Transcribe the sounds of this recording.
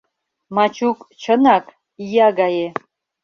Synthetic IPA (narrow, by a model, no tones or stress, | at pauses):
mat͡ʃʰukʼt͡ʃʰənak | ijaɡɑje